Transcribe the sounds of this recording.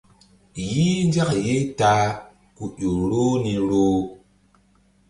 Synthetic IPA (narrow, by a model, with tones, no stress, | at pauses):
jiː˦nd͡ʒa˦kje˦taː˦ | ku˨ʔo˨ɾo˦ni˨ɾoː˦